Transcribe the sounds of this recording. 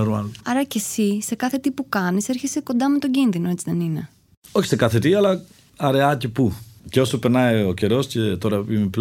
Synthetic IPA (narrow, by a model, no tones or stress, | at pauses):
ɾuɐ̰nɐɾɐce̞sise̞kɐθe̞t̪ipukɐnise̞ɾçeseko̞nd̪ɐme̞t̪o̞ɟinðinoe̞t͡siðe̞nine̞ | oçi̥sekɐθe̞t̪iɐlɐ | ɐɾe̞ɐc̪ipuceosupeɾnɐioce̞ɾo̞scet̪o̞ɾɐimepl